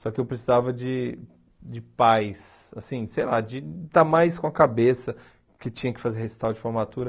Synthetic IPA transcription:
sɔkɪewpɾesizavɐd͡ʒɪ | d͡ʒɪpajs | asĩsejlad͡ʒɪt̪amajskõɐkabesɐ | kɪt͡ʃĩɲɐkɪ̥fazeɾhesi̥t̪awd͡ʒɪfoɾmat̪uɾɐ

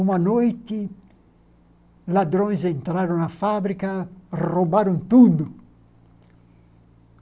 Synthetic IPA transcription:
umanɔjt̪i | lad̪ɾɔnzent̪ɾaɾunafabɾikarobaɾunt̪ud̪u

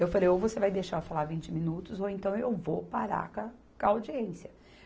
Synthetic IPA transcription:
ewfalejowvosevajd̪eʃaɾʊfalavĩnt͡ʃɪmĩnut̪ʊzowẽnt̪ɐ̃w̃ewvopaɾa̰kɐ | kaawd͡ʒiẽsiɐ

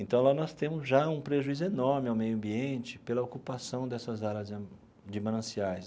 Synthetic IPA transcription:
ẽnt̪ɐ̃w̃lanɔst̪ẽmʊzʒaũpɾeʒuizʊenɔɾmɪawmejʊɐ̃mbiẽnt͡ʃɪ̥pelɐokupasɐ̃w̃d̪ɛsɐzalɐz | d͡ʒimɐ̃nɐ̃siajs

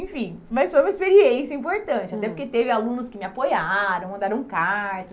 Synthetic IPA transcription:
ẽfĩj̃mɐsfojũmɐeispeɾiẽsjɐĩmpoɾt̪ɐ̃t͡ʃɪat̪ɛpoɾket̪evɪalũnʊskɪmɪapojaɾɐ̃w̃mɐ̃nd̪aɾɐ̃w̃kaɾt̪ɐs

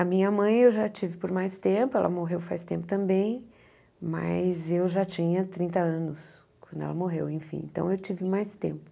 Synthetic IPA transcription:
ɐmĩɲɐmɐ̃j̃ewʒat͡ʃivɪpʊɾmajst̪ẽpʊɛ̰lʔɐ̰moɦewfa̰jst̪ẽmpʊt̪ɐ̃mbẽj̃ | mɐ̰jzewʒat͡ʃĩɲɐt̪ɾĩnt̪ɐɐ̃nʊs | kwɐ̃nd̪ʊɛ̰lɐmoɦewẽj̃fḭ̃ḛ̃t̪ɐ̰̃w̃ewt͡ʃivɪmajst̪ḛ̃mpʊ̥

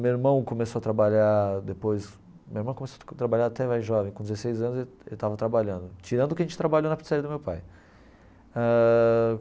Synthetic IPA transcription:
mieɾmɐ̃w̃kõmesoɐt̪ɾabaʎad̪epojs | mieɾmɐ̃w̃kõmesot̪ɾabaʎaɾat̪ɛvajʒɔvẽj̃kõd̪ɪzesejzɐ̃nʊzeelt̪avɐt̪ɾabaʎɐ̃nd̪ʊt͡ʃiɾɐ̃nd̪ʊkɪɐʒẽt͡ʃɪ̥t̪ɾabaʎownɐpt͡ʃisaɾiɐd̪ʊmewpaj | a

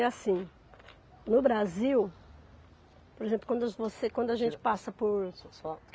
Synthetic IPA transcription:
ɛasĩ | nʊbɾaziw | poɾezẽmplʊkwɐ̃nd̪ʊvosekwɐ̃nd̪ʊaʒẽnt͡ʃɪ̥pasɐpoɾsɔ

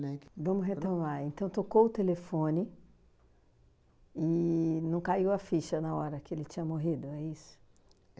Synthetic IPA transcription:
nɛvɐ̃mʊɦet̪omaɾẽnt̪ɐ̃w̃t̪okowʊt̪elefõnɪ | ɪnɐ̃w̃kaiwɐfiʃɐnɐɔɾɐkɪelɪt͡ʃĩɲɐmoɦid̪ʊɛisʊ̥

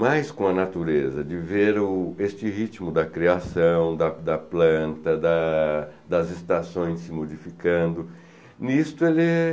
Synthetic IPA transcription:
majskõɐnat̪uɾezɐd͡ʒɪveɾʊest͡ʃɪhit͡ʃmʊd̪ɐkɾiasɐ̃w̃d̪ɐd̪ɐplɐ̃nt̪ɐd̪ɐ | d̪ɐzɪst̪asõj̃sːɪmod͡ʒifikɐ̃nd̪ʊ | nist̪ʊelɛ

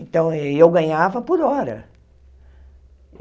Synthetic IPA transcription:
ẽnt̪ɐ̃w̃ɛewɡɐ̃ɲavɐpoɾɔɾɐ̰

